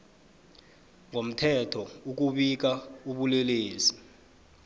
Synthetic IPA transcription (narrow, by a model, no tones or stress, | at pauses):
ŋom̩tʰɛtʰɔuk̬uɓik̬auɓulɛleːsi